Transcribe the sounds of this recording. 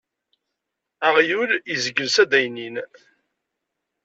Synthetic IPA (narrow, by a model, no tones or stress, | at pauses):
aʁjulizəɡəlsæd̪æjnin